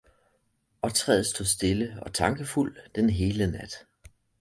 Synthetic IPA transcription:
ɒ̽t͡sʰʁɛ̰ːðˠsd̥o̝ðˠsd̥e̝ləɒ̽t͡sʰɑ̈ŋɡ̥əful̰d̥enɦe̝ːlənæd̥

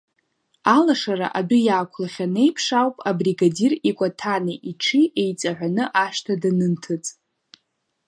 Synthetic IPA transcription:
alaʂara̰ʔabʊjaːkʷʰlaχʲane̞jpʰʂawpʼabriɡadirikʷʼatʰanɨʔiʈ͡ʂʰiʔejt͡sʼaʕʷanɨʔaʂtʰadanɨntʰɨt͡sʼ

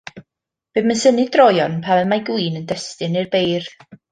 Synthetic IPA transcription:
b̥eːdmansənɪdrɔjɔnpʰavɛmajɡwiːnəndɛstɨnɨrbejr

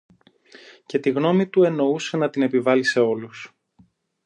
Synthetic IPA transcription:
ce̞t̪iɣno̞mit̪ue̞no̞use̞nɐt̪ine̞pivɐlise̞o̞lus

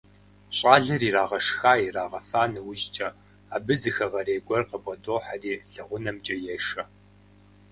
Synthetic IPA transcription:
ɕʼaːɮɐriːraːʁɐʂxaːiraːʁɐfaːnɨwɪʒt͡ʃʼɐ | aːbɨzɨxɐʁɐɾeːɡʷʼɔrqəbʼɐdoːħariːɮɐʁʷʊnɐmt͡ʃʼɐjɛʂɐ

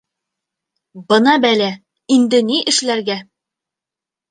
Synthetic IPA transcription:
bɤ̆nɑbælæ | ind̪ɘ̆niʔɘ̆ʃlæɾɡæ

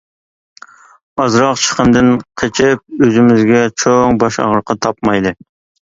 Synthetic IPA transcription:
ɑzɾɑqt͡ʃʰə̥qʰənd̪ɨnqʰet͡ʃʰɪp̚øzɪmɪzɡʲɛt͡ʃʰoŋbɑʃɑ̰ʁəɾqʰɑt̪ʰɑp̚mɑjd̪ɨ

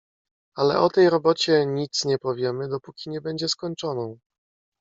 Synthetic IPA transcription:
alɛ̰ʔɔt̪ɛjɾɔbɔt͡ɕɛɲit̪sɲɛpɔvʲjɛmɘd̪ɔpukʲiɲɛbɛɲd͡ʑɛskɔɲt͡ʂɔnɔ̃w̃

